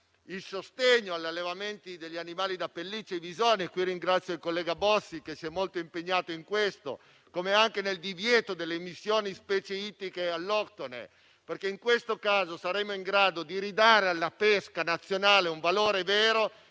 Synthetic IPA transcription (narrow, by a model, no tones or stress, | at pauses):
ilsost̪eɲːoaʎːalːevament̪id̪eʎːianimaːlid̪apelːit͡ʃːevizoːnekwirːiŋɡɾat̪sːjoilkolːɛːɡabɔsːikesiɛmːolt̪oimpeɲːaːt̪oiŋkwest̪o̰ | komeaŋkeneld̪ivjɛːt̪od̪elːeːmisːjoːnispɛːt͡ʃeit̪ikealːɔkt̪onḛ | perkeiŋkwest̪okaːzosaɾɛmːoiŋɡɾaːd̪od̪iɾid̪aːɾealːapeskanat̪sːjonaːleuɱvaloːɾevɛːɾo